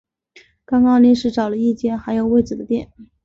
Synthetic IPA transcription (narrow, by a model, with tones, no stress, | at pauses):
kɑ˥ŋkɑ˥ŋli˧˥nʂɻ̩˥˩ʈ͡ʂɑ˨˩ʊlə˦i˥˧t͡ɕjɛ˥˩nxa˧˥ɪjo˨˩ʊwe˥˩ɪt͡sɹ̩˨˩d̪ə˦t̪jɛ˥˩˦n